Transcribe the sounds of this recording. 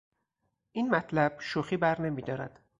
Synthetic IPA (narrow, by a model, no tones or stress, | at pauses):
ʔiːnmæt̪ʰlæb̥ʃuxiːbæɾne̞miːd̪ɒːɾæd̪̥